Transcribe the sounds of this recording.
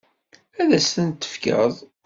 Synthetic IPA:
æðæsθənt̪ːə̥fkə̰ðˤ

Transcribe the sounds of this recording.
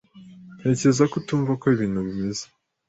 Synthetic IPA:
n̥he̞ːce̞zakotuːɱvako̞iβiːn̥huβimeze̥

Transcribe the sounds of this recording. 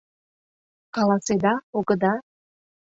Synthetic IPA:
kɑlˠɑsed̪ɑoɡə̆d̪ɑ

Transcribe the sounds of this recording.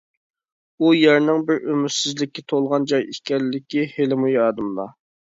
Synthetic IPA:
ujæɾnɪŋbɪɾømysɪzlɪkʲːɛt̪ʰolˠʁɑnd͡ʒɑjikʲɛlɪːɪkʲihelɪmujɑːd̪ɨmlˠɑ̰

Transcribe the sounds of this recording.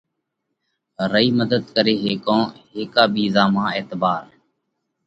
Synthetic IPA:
ɾəiːməd̪əd̪kəɾeːɦeːkõːɦeːkaːbiːzaːmãːeːt̪baːɾ

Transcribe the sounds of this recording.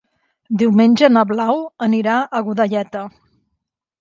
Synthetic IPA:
d̪iwmenʲʒənəβlawəniɾaʔəɣuðəʎɛt̪ə

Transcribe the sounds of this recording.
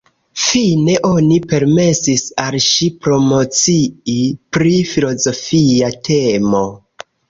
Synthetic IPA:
fine̞ʔo̞nipe̞ɾme̞sisalʃipɾo̞mo̞t͡siipɾifilo̞zo̞fiatʰe̞mo̞

